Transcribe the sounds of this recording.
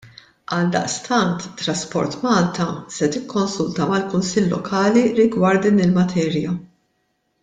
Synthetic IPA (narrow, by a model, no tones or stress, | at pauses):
ɐld̪ɐ̰ʔst̪ɐnt̪t̪ːɾɐspɔ̰ɾt̪mɐːlt̪ɐsɛt̪ɪkʰːɔnsʊlt̪ɐmɐlkʊnsɪlːɔ̰kʰɐːliɾɪɡwɐɾt̪̚d̪iːnɪlmɐt̪ʰɛːɾjɐ